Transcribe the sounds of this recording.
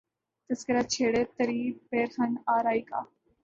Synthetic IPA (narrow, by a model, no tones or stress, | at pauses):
t̪ɐskɪɾat͡ʃʰeːɽet̪ɐɾiːpeːɾxɐnaːɾaːiːka̰ː